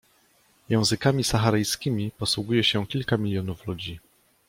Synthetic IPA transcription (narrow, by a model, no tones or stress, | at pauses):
jɛ̃w̃zɘkamʲisaxaɾɘjskʲimʲipɔswuɡujɛɕɛkʲilkamʲilʲjɔnuflud͡ʑi